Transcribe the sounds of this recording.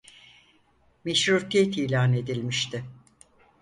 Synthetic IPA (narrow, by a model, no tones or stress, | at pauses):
meʃɾuɾt̪ʰijet̪iːlʲaːne̞d̪ilʲmiʃt̪ʰɪ